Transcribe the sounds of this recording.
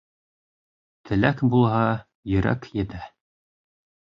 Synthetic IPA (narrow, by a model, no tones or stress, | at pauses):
t̪ʰɘ̆lækbulˠɦɑ | jɵ̆ɾæ̰kjɘ̆t̪æ